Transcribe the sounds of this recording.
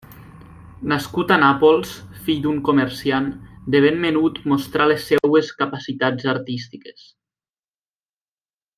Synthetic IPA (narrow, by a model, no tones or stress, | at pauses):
naskut̪anapolˠsfiʎd̪uŋkomeɾsiand̪eβ̞enmenut̪most̪ɾalesːɛweskapasit̪ad͡zaɾt̪ist̪ikes